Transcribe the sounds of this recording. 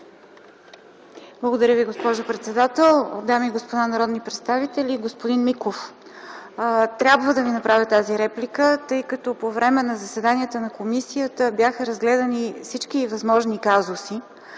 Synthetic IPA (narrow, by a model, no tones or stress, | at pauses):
blˠəɡod̪ɐɾʲjəviɡospɔʒopɾɛt̪sɛd̪at̪ɛlˠd̪amiɡospod̪anɐɾɔd̪nipɾɛt̪st̪avit̪ɛlʲiɡospod̪inmikof | t̪ɾʲabvəd̪ɐvinɐpɾavʲət̪aziɾɛplʲikət̪ɤjkɐt̪ɔpovɾɛmɛnɐzɐsɛd̪aniət̪ənɐkomisijət̪əbjaxəɾɐzɡlɛd̪ɐnifsit͡ʃk̟ivɐzmɔʒnikazosi